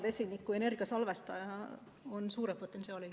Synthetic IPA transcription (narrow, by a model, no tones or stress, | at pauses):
vesinikːue̞ne̞rɡ̥iɑsɑlvest̪ɑjɑ | onsuːɾepot̪ːˑensiɑːli